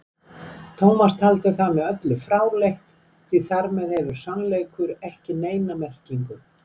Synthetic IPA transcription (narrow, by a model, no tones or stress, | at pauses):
t̪ʰoːwmast̪ʰalt̪ɪθamɛðœt̪lʏfɾaːwlejht̪ | θʰviθaɾmɛðhɛvʏɾ̥sanlejkʏɾɛhcɪneːjnamɛr̥ciŋkʏ